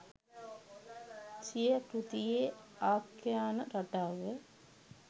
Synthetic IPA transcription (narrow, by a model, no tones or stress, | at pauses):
sijəpɾut̪ijeaːkːjaːnəɾaʈaːʋə